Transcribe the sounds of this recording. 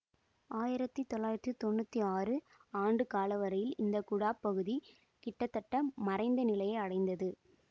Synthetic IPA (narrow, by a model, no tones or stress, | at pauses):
ʔaːjɪɾɐt̪ːit̪ɔlːaːjɪɾɐt̪ːit̪ɔɳːɯt̪ːiaːrɯ | aːɳɖɯkaːlɐʋɐɾɐjɪlɪnd̪ɐkʊɽaːpːɐɣɯði | kɪʈːɐt̪ːɐʈːɐmɐrɐɪnd̪ɐnɪlɐjɐɪɐɽɐɪnd̪ɐðɯ